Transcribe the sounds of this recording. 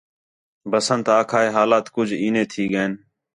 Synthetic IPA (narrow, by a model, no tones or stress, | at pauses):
bəsənt̪aːkʰaːeːɦaːlaːt̪kʊd͡ʒʱiːnẽːt̪ʰiːɡəeːn